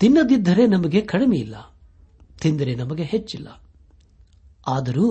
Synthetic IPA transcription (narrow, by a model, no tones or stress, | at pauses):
t̪inːɐd̪id̪ːɐɾe̞nɐmɐɡe̞kɐɽimɛjilːɐ | t̪ind̪ɐɾenɐmɐɡe̞ɦet͡ʃːilːɐ̰ | aːd̪ɐɾuː